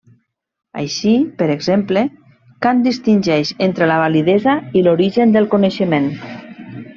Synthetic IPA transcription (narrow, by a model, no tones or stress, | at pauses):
a̰jʃipəɾeɡzemple | kand̪ist̪inʲʒɛʃent̪ɾelaβaliðezailoɾiʒənd̪əlˠkuneʃəmen